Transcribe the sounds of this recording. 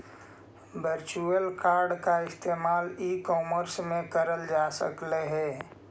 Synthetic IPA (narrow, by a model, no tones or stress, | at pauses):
bəɾt͡ʃuəlkaːɾɖkaɪst̪eːmaːliːkɔːməɾsmẽkəɾəld͡ʒaːsə̰kleɦɛː